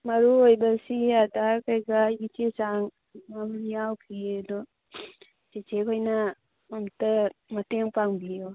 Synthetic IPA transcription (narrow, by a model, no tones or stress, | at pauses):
mɐɾuojbɐsiadakajɡajɡit͡ʃesaŋ | mamnijawkʰiedo | t͡ʃet͡ʃekʰojna | amtɐmɐteŋpaŋbijo